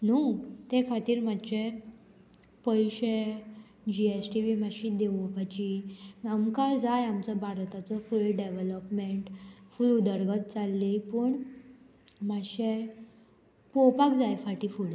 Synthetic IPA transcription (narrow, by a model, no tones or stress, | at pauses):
nut̪ekʰat̪iːɾmat͡ɕe | pəjɕe | d͡ʑiesʈiʋimaɕid̪eʋopat͡ɕiamkad͡zajamt͡səbʱaɾt̪at͡səfuɭlɖeʋeləpmeɳʈfulud̪əɾɡət̪̚t͡salːipəɳ | maɕe | popakd͡zajfaʈifuɭ